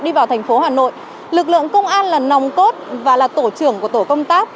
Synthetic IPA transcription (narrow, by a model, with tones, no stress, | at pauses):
ɗi˧vaː˨˩wt̪ʰjŋ̟fo˨˦ɦaː˨˩no̰˧˨j | lɨ˨˩k̬̚lɨ̰˧˨əŋkə˧wŋ͡mʔaː˧nlaː˨˩nɔ˨˩wŋ͡mko˦˥t̚vaː˨˩laː˨˩t̪o˧˩t͡ɕɨ˨˧˩əŋku˧˩t̪o˧˩kə˧wŋ͡mt̪aː˦˥k̚